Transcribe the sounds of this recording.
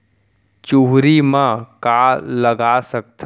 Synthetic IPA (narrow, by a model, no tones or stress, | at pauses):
t͡ʃuɦɾimãkaːləɡasək̚t̪ʰ